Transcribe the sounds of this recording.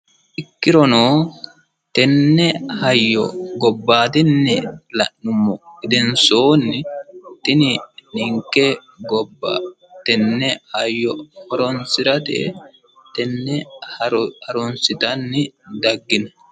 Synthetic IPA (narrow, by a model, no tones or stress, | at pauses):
ʔɪkːɪɾɔnoː | t̪ɛnːɛhɐjːɔ̰ɡɔbːaːt̪ɛnːɛlɐʔːʊmːɔɪd̪ɛnsoːnːɪt̪ɪnɪnɪŋkːɛ | ɡɔbːa̰ | t̪ɛnːɛhɐjːɔhɔɾɔnsɪɾɐt̪ɛ̰ | t̪ɛnːɛhɐhɐɾɔnsɪt̪ɐnːɪd̪ɐɡːɪnɐ